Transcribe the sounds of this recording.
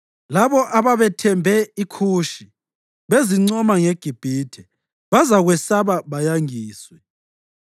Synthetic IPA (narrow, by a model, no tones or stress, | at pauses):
laβɔʔaβaβɛtʰɛmbʱɛikʰuːʃi | βeziŋ͡ǀɔmaŋɛɡ̥ʱib̥ʱiːtʰɛ | βazaɣwɛsaβaβajaŋiːswɛ